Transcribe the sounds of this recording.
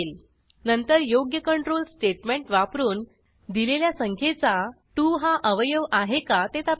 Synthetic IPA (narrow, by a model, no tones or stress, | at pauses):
el | nənt̪əɾjoɡjəkəɳʈɾolsʈeʈmeɳʈʋapɾuːn | d̪ileljasəŋkʰet͡sa | ʈuɦaʔəʋjəʋaɦekat̪et̪a